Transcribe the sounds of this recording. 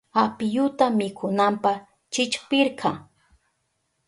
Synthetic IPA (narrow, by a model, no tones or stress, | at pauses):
apɪjʊt̪amɪkʰʊnampaχ | t͡ʃɪt͡ʃpɪɾqʰɑ